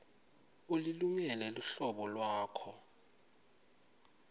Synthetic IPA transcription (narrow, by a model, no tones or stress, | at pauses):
uliluŋɛlɛluɬɔɓɔlwaːkʰɔ